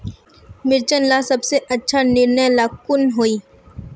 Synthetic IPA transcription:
mɪɾt͡ʃənlasɐbseʔɐtːʃʰanɪɾnəjlaːkʊnɦoːiː

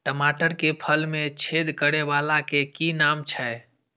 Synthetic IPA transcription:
ʈəmaʈəɾkepʰəlmẽt͡ʃʰed̪ʱkəɾebalakekinamt͡ʃʰɛ

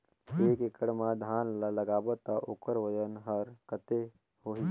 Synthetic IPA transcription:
eːkekəɽmãd̪ʱaːnləɡaːbət̪aʔokəɾʋəd͡ʒənɦəɾkət̪e | hoːɦi

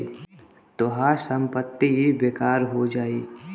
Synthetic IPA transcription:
t̪oɦaːsə̃mpət̪ːiɦibeːkaːɾɦod͡ʒaːiː

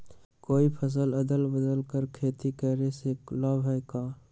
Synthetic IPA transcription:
koːipʰəs̬ələd̪əlbəd̪əlkəɾkʰeːt̪ikɛːɾeseklaːbɦɛkaː

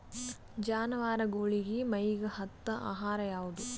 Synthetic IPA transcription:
d͡ʒaːnɐʋaːɾɐɡoːɭiɡimɐjɡɐhɐt̪ːɐʔa̰ːɦaːɾɐjaːʋud̪u

